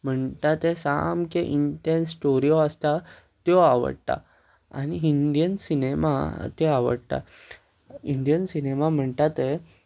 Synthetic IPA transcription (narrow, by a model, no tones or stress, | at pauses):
m̤əɳt̪at̪esa̰mkeʔiɳʈẽnsʈoɾijoəst̪a | t̪jɔaʋə̰ɽt̪a̰ | a̰niiɳd̪jənsinema̰t̪eaʋə̰ɽt̪a̰ | iɳɖ̪ijənsinemam̤əɳt̪at̪e